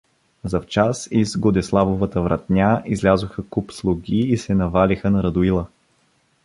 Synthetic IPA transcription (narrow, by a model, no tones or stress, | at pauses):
zɐft͡ʃasizɡod̪ɛslˠavovət̪əvɾʔɐ̰t̪nʲaizlʲazʊxəkupslˠʊɡʲiːsɛnɐvalixənɐɾɐd̪ʊilˠə